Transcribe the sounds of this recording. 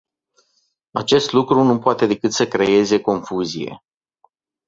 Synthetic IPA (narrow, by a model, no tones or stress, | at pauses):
at͡ʃe̞st̪lukɾunupoat̪e̞d̪e̞kɨt̪səkɾe̞je̞ze̞ko̞nfuzije̞̰